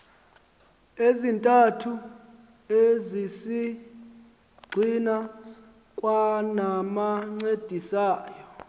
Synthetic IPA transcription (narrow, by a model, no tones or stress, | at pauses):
ezintʼatʰu | ezisi | ɡ͡ǀʱina | kʼwanamaŋ͡ǀed̥ʱisaːjɔ